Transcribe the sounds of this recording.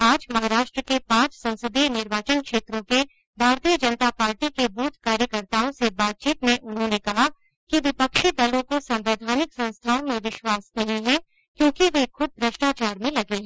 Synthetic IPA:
aːd͡ʒmɐɦaːɾaːʃʈɾəkepãːt͡ʃsɐ̃nsɪd̪inɪɾʋaːt͡ʃənkʃeːt̪ɾõke | bʱaːɾt̪ijəd͡ʒɐnət̪apaːɾʈikebuːt̪ʰkaːɾjəkəɾt̪aːõsebaːt̪̚t͡ʃiːt̪mẽʔʊnɦõnekɐɦa | kiʋɪpəkʃid̪ɐlõkosɐ̃mʋeːd̪ʱaːnɪksɐ̃nst̪ʰãːmẽʋɪʃwaːsnɐɦĩɦɛ̃ | kjõːkiʋekʊb̪̚bʱɾɐʃʈaːt͡ʃaːɾmẽlɐɡeɦɛ

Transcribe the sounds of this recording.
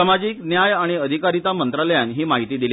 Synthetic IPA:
amad͡ʑiːknjajaɽ̃iəd̪ʱikaɾit̪amənt̪ɾaləjanɦiːmaɦit̪iːd̪il

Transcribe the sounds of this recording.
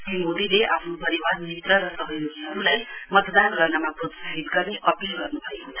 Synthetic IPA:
simod̪ileʔa̰pʰnopʌɾibarnit̪ːʌɾʌsʌbʱʌjɾuniɦʌɾulajmʌt̪d̪anɡʌrnamabʱud̪sabʱit̪ɡʌrneʔʌpilɡʌrnubʰʱʌjɦot͡sʰa

